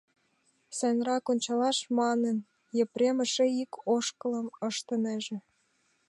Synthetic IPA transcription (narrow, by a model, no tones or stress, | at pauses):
sænrɑkonʲt͡ɕɑlɑʃmɑnə̆n | jĕpɾemə̆ʃĕikʰoʃkə̆lə̆məʃt̪ə̆nĕʒĕ